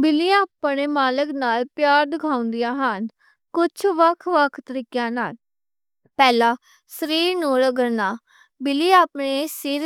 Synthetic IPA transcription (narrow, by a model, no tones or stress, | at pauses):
bɪliːaːpɳeːmaːləknaːlpjaːɾd̪ɪkʰãːʊ̃nd̪ijãːɦən | kʊt͡ʃʰʋəkʰʋəkʰt̪əɾiːkjãːnaːl | pɛːlãː | səɾiːɾnuːɾəɡəɾnaː | bɪliːaːpɳesiːɾ